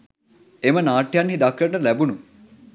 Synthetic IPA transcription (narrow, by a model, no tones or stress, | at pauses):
emənaːʈːjanɦid̪akːɐʈɐlæbunu